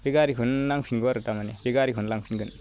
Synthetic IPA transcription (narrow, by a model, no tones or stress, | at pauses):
beɡaɾikʰɯnlaŋpʰinɡɔɾɯtamanebeɡaɾikʰunlaŋpʰinɡɯn